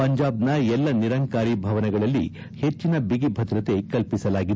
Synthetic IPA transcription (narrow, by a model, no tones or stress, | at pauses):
ɐɲd͡ʒaːb̚nɐɛlːɐniɾɐŋkaːɾibʱɐʋɐnɛɡɐɭɐlːḭ | he̞t͡ʃːinɐbiɡibʱɐd̪ɾɐt̪e̞kɐlpisɐlaːɡi